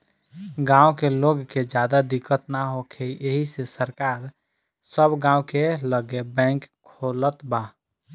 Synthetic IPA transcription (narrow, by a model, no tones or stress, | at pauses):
ɡãokeloɡked͡ʒjad̪ad̪ikːət̪naɦokʰeiʔeɦisesəɾkaːɾ | səbɡãːukeləɡebɛ̃ŋkʰːolət̪ba